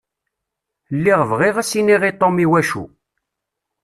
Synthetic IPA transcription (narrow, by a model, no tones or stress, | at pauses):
lːiʁvʁiʁæsiniʁit̪ˤomiwæʃṵ